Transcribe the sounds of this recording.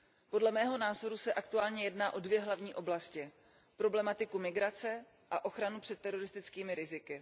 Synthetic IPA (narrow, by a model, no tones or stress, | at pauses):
po̞dlɛmɛːɦo̞naːzo̞ɾusɛʔakt̪uaːlɲɛjɛdnaːʔo̞dvjɛɦlavɲiːʔo̞blascɪ | pɾo̞blɛmat̪ɪkumɪɡɾat͡sɛ | ʔaʔo̞xɾanupr̥ɛt̪ːɛɾo̞ɾɪst̪ɪt͡skiːmɪɾɪzɪkɪ